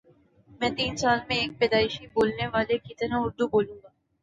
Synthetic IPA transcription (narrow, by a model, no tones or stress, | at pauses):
mɛ̃ːt̪iːnsaːlmẽeːk̚pɛːd̪aːɪʃiboːlneʋaːlekit̪ɐɾaʊɾd̪uboːlũːɡaː